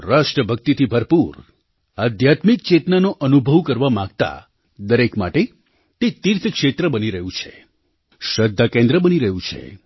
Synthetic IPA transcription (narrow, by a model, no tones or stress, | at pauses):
ɾaʃʈɾəbʱək̚t̪it̪ʰibʱəɾpuɾ | ad̪ʱjat̪mik̚t͡ʃet̪nanoʔənubʱəʋkəɾʋamãɡt̪a̰ | d̪əɾekma̰ʈe | t̪et̪iɾt̪ʰkʃet̪ɾəbəniɾəɦũt͡ʃʰe | ʃəd̪ʱːakẽnd̪ɾəbəniɾəɦũt͡ʃʰḛ